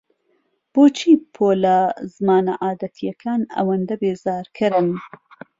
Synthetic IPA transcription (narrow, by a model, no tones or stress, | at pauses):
b̥oːt͡ʃʰiːpʰoːlɐzɨmaːnɐʔaːd̪ɐt̪ʰijɐkʰaːnɐ̰wɐnd̪ɐbeːzaːɾkʰɨɾɨn